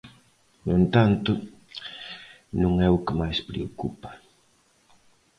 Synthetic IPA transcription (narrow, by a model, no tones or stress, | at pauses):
nwẽnt̪ant̪ʊ | nũŋɛʊkɪmajspɾeokupɐ̥